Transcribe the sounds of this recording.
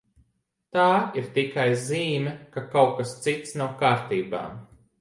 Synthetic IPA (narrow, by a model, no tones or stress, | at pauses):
t̪aːiɾt̪ikajziːmʲɛkakawkast̪sit̪snawkaːɾt̪iːba̰ːm